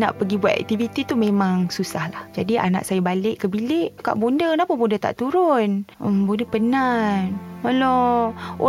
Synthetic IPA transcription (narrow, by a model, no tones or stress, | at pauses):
na̰ʔpəɡibuat̪ɛ̰k̚t̪ivit̪it̪umẽmãŋsusahlahd͡ʒadiʔa̰na̰ʔsajabalɪʔkəbilɪʔka̰ʔbondənapʊbondət̪a̰ʔt̪uɾʊnəmbondəpənanmaloo̰